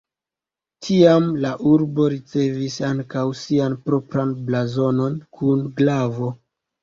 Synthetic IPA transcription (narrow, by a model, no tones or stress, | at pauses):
tʰiamlaʔuɾbo̞ɾit͡se̞visaŋkawsianpɾo̞pɾanblazo̞no̞nkʰunɡlavo̞